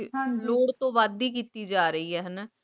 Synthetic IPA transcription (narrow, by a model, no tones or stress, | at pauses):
loːɽt̪õːʋaːd̪iːk̬iːt̪iːd͡ʒaːɾəiːɛːɦənaː